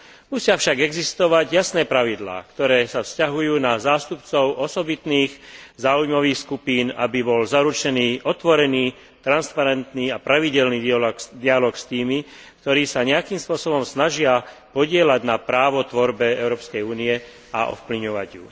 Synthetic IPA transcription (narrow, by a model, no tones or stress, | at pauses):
musɪafʃaɡɛɡzist̪ɔʋaɟjasnɛːpɾaʋid̪la̰ːkt̪ɔɾɛːsafscaɦujuːnazaːst̪upt͡sɔʊʔɔsɔbit̪niːɣzaːujmɔʋiːxskupiːna̰bibɔlzaɾut͡ʃɛniːʔɔt̪ʋɔɾɛniː | t̪ɾanspaɾɛnt̪niːapɾaʋiɟɛlniːilkd̪ialɔːkst̪iːmi | kt̪ɔɾiːsaɲɛakiːmspʊɔsɔbɔmsnaʒɪapɔɟɪɛlaɟnapɾaːʋɔt̪ʋɔɾbɛɛʊɾɔːpskɛjuːniɛ | a̰ʔɔ̰fpliɲɔʋaɟjṵ